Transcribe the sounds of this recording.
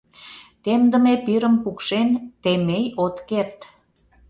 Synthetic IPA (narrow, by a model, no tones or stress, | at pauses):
t̪emd̪ə̆mepiɾə̆mpukʃent̪emejot̪kert̪